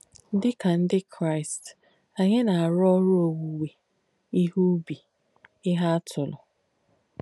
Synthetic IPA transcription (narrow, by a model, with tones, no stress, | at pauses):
n̩˦dɪ˦ka˨n̩˦dɪ˦kʰɾa˦ɪ˨st | a˨ɲe˦na˨a˨ɾɔ˦ɾʊ˦o˨wu˨we˨ | i˦ɦu˦bi˨ | ɪ˦ɦa˦a˦tʰʊ˨lʊ˨